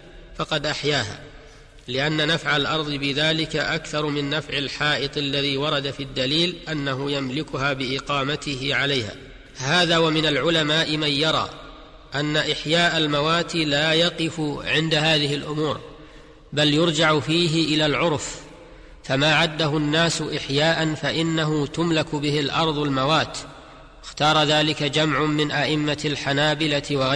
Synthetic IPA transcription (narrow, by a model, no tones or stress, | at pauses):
fɑqɑd̪ʔaħjaːɦa̰ː | lɪʔanːanafʕalʔɑɾˤðˤɨbɪðaːlɪkaʔakθɑɾˤmɪnːafʕɪlħɑːʔɨt̪ˤalːaðiːwɑɾˤɑd̪afiad̪ːaliːlʔanːaɦʊjamlɪkʊɦaːbɪʔɪqɑːmat̪ɪhɪʕalajha̰ː | haːðaːwamɪnalʕʊlamaːʔɪmanjɑɾˤɑ̰ː | ʔanːaʔɪħjaːʔalmawaːt̪iːlaːjɑqɨfʊʕɪnd̪ahaːðɪhɪlʔʊmuːɾ | baljʊɾd͡ʒaʕʊfiːɦɪʔɪlaːlʕʊɾˤf | famaːʕad̪ːaɦʊnːaːsʊʔɪħjaːʔanfaʔɪnːaɦʊt̪ʊmlakʊbɪhɪlʔɑɾˤðˤalmawaːt̪ | ɪxt̪ɑːɾˤɑðaːlɪkad͡ʒamʕʊmɪnʔaʔɪmːalħanaːbɪlatɪwaɣa